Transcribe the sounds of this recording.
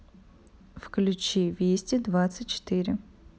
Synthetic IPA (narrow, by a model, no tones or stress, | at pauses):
fklʲʉt͡ɕivʲesʲtʲɪd̪vat̪sɨtʲt͡ɕɪ̥t̪ɨɾʲɪ